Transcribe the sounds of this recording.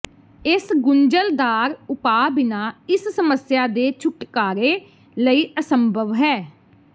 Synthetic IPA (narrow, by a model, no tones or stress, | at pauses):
ɪsɡʊɲd͡ʒəld̪aːɾʊpaːbɪnaːɪssəməsjaːd̪eːt͡ʃʰʊʈkaːɾeː | ləiːʔəsəmbʱəʋɦɛː